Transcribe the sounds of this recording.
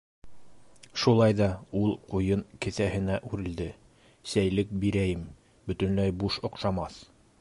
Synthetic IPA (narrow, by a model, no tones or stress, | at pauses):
ʃulˠɑjðɑulˠqujɤɴkɘ̆θæhɘ̆næʔʉɾɘ̆ld̪ɘ | sæjlɘk̚biɾæjɘm | bɵ̆t̪ɵ̆nlæjbuʃŏqʃɑmɑθ